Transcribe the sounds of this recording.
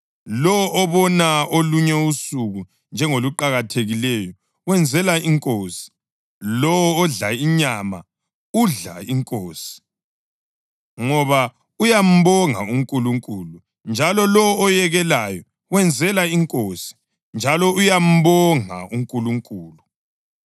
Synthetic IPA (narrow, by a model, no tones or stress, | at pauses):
lɔwʔːβɔnaoluɲɛusuɣu | nd͡ʒʱɛŋoluǃaɣatʰeɣilɛjɔ | wɛnd͡zʱɛlaiŋkʼoːsi̥ | lɔwɔːɮaiɲama̰ | uɮa̰iŋkʼoːsi̥ | ŋɔβa | ujam̩βɔŋa̰uŋkʼuluŋkʼuːlu | nd͡ʒʱalɔlɔɔːjɛɣɛlajɔ | wɛnd͡zʱɛlaiŋkʼoːsi̥ | nd͡ʒʱalɔujam̩βɔŋa̰uŋkʼuluŋkʼuːlu